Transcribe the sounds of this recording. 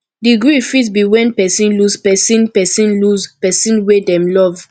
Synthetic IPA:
diɡɹifitbiwɛ̃npɛsĩnluspɛsĩnpɛsĩnluzpɛsĩnwedɛ̃mlɔv

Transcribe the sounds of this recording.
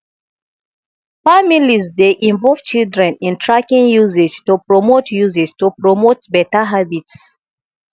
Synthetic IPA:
familizdeʔĩɱvɔlvt͡ʃildɹɛ̃nĩntʰɹakĩŋjuzɛd͡ʒtupɹɔmotjuzɛstupɹomotbɛtaɦabits

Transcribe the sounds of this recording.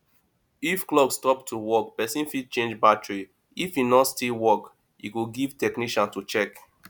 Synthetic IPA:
ifklɔɡstɔp̚tʰuwɔk̚pɛsĩnfid̚t͡ʃẽnd͡ʒbatɹi | ifinɔtstilwɔk | ḭkuɡiv̥tɛkniʃɔ̃ntut͡ʃɛk

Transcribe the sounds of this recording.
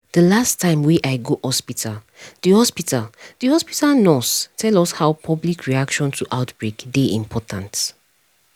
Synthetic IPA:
d̥əlastʰːãɪ̃mwiʔaɪɡohɔspitʰal | dihɔspitald̥ihɔspitalnɔstʰɛlɔshaʊpʰɔblikʰɹiakʃɔ̃ntʰuʔaʊtbɹekdeĩmpʰɔtãnt

